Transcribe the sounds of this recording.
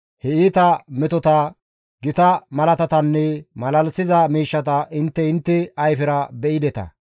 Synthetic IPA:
hɛiːt̪ɐmɛt̪ɔt̪ɐ | ɡɪt̪ɐmɐlɐt̪ɐt̪ɐnːɛmɐlɐlsɪzɐmiːʃːɐt̪ɐʔɪnt̪ːɛɪnt̪ːɛɐjfɪɾɐbɛʔɪd̪ɛt̪ɐ̰

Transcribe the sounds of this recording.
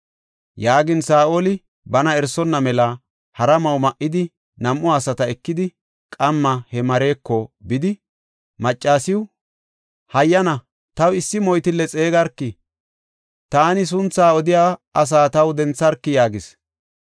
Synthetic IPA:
jaːɡɪnsaːʔolɪ | bɐnɐɛɾsɔnːɐmɛlɐ | hɐɾɐmɐwmɐʔːɪd̪ɪ | nɐmʔːʊasɐt̪ɐɛkːɪd̪ɪ | kʼɐmːɐhɛmɐɾe̞ːkːɔbɪd̪ɪ | mɐt͡ʃʼːaːsɪwʊ | hɐjːɐnɐ | t̪ɐwɪsːɪmɔjt̪ɪlːɛt͡sʼe̞ːɡɐɾkːɪ | t̪aːnɪs̬ʊnt͡sːaːɔd̪ɪjaːɐs̬aːt̪ɐwd̪ɛnt͡sːɐɾkːɪjaːɡɪs

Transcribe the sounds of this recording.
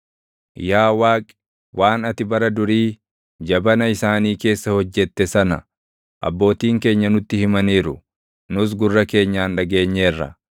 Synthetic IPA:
jaːwaːkʼɪ̥ | wʔaːnɐt̪ɪbɐɾɐd̪ʊɾiː | d͡ʒɐbɐnɐɪsaːniːke̞ːsːɐhɔd͡ʒːɛt̪ːɛsɐnɐ̰ | ʔɐ̰bːo̞ːt̪iːŋke̞ːɲːɐnʊt̪ːɪhɪmɐniːɾʊ | nʊs̬ɡʊrːɐke̞ːɲːaːnᶑɐɡe̞ːɲːeːrːɐ̰

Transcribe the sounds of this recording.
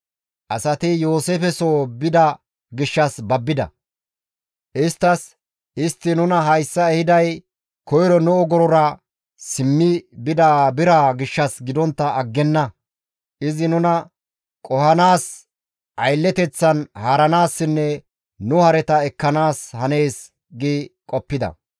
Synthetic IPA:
ʔɐsɐt̪ɪjoːseːfɛsoːbɪd̪ɐ | ɡɪʃːɐsbɐbːɪd̪ɐ̰ | ʔɪst̪ːɐs | ʔɪst̪ːɪnʊnɐɦɐjsːɐɛhɪd̪ɐj | kɔjɾɔnʊɔɡɔɾɔɾɐ | sɪmːɪbɪd̪abɪɾaɡɪʃːɐsɡɪd̪ɔnt̪ːɐːɡːɛnːɐ | ʔɪzɪnʊnɐ | kʼɔhɐnaːs | ʔɐjlːɛt̪ɛt͡sːɐnhaːɾɐnaːsːɪnːɛ | nʊhɐɾɛt̪ɐɛkːɐnaːshɐne̞ːs | ɡiːkʼɔpːɪd̪ɐ̰

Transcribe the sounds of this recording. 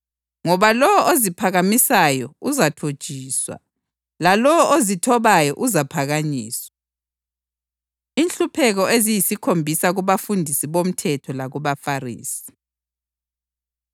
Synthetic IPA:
ŋɔβalɔɔʔozipʰaɣamisajɔuzatʰod̥ʒ̥ʱiːswa̰ | lalɔozitʰɔβajɔʔuzapʰaɣaɲḭːswa | inɬupʰɛɣɔezijisikʰombʱisaɣuβafundʱisiβom̩tʰɛtʰɔlaɣuβafarḭːsi̥

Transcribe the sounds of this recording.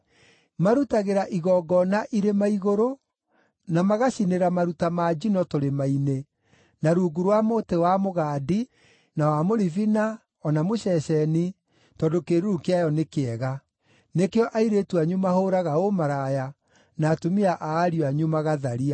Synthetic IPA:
maɾutaɣeɾaʔiɣɔɡɔnaʔiɾemaiɣoɾo | namaɣaɕineɾamaɾutamaːd͡ʒinɔtoɾemaine | naɾuːɡuɾwamoːtewamoɣaːdi | nawamoɾivina | ɔnamoɕɛɕɛni | tɔːdokeɾuɾukeajɔnekeɛɣa | nekeɔʔaiɾetuaɲumahoɾaɣaomaɾaja | naːtomiaʔaːɾiaɲumaɣaðaɾia

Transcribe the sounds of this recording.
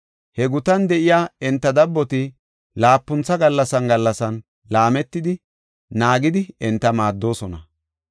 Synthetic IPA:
hɛɡʊt̪ɐnd̪ɛʔɪjaːɛnt̪ːɐd̪ɐbːɔt̪ɪ | laːpːʊnt͡sːɐɡɐlːɐsɐnɡɐlːɐsɐn | laːmɛt̪ːɪd̪ɪ | naːɡɪd̪ɪɛnt̪ːɐmaːd̪ːo̞ːsɔnɐ

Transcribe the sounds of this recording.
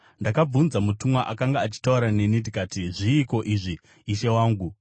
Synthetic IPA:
ndakab͡vunzamutumwaʔakaŋɡaːt͡ʃi̥tauɾane̞nindikaːtiʐiːko̞ʔiːʐiː | ʃe̞waːŋɡu

